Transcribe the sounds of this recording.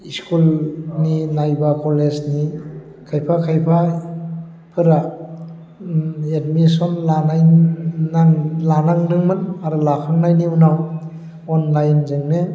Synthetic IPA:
iskulninajbakɔlesni | kʰajpʰakʰajpʰa | pʰɯɾa | edmisɔnlanaj | aŋlanaŋdɯŋmɯnaɾulakʰaŋnajniunaw | ɔnlajnzɯŋne

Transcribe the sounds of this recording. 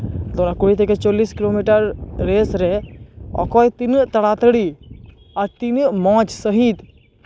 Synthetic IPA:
d̪oɾakoit̪eket͡ʃɔːliːskiloːmiʈəɾːeːsɾeɔ̰kɔːjt̪int̪ɐɽat̪əɽi | aɾt̪inmɔ̃ːt͡ʃsəɦit̪

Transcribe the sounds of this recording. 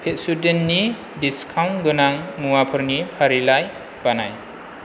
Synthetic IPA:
pʰet̚sudenːi | diskʰawnɡɯnaŋmuwapʰɯɾnipʰaɾilaj | b̥anaj

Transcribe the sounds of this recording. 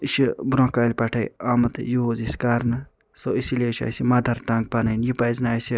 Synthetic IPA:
iʃibɾõːkaːlʲpaʈʰajamɐt̪jozisʲkaɾnɨ | soisileʃa̰ːsimɐd̪ʱɐɾʈãːŋɡ̚panɐnjipajznaːjsi

